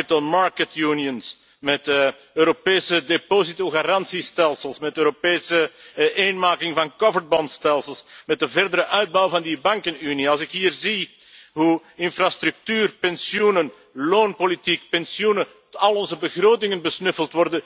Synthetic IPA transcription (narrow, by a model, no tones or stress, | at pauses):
itəlˠmɑɹkətjuːniəns | mɛt | øːɾopeːsədepozitoɣaɾɑnsistɛlˠsəlˠsmɛtøːɾopeːsəʔeːnmaːkɪŋvɑnkɔvəɹbɔntstɛlˠsəlˠsmɛt̚dəvɛrdəɾəʔœɥd̚bɑwvɑndibɑŋkənyniɑlˠsɪkɦiːrzi | ɦuɪnfrast̪ɾʉk̚tyːrpɛnsjunən | loːnpolitikpɛnsjunə | ɑlˠɔnzəbəɣroːtɪŋənbəsnɵfəlˠtʋɔrdə